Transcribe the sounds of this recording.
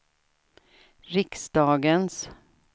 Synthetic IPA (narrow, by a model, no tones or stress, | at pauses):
ɾɪksd̪̥ɑːɡəns